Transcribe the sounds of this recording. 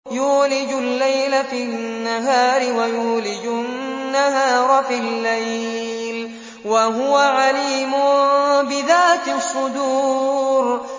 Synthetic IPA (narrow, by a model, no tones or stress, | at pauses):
juːlɪd͡ʒʊlːajlafinːaɦaːɾɪwajuːlɪd͡ʒʊnnːaɦaːɾˤfilːaj | l | waɦʊwaʕaliːmʊbɪðaːt̪sˤːʊd̪uːɾ